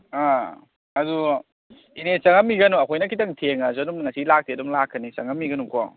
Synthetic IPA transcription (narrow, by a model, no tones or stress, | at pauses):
a | ɐzu | inet͡ʃɐŋɐmːiɡɐnuɐkʰojnɐkʰitɐŋtʰeŋɐzodumŋɐsilak̚tidumlakʰːɐnisɐŋɐmːiɡɐnuko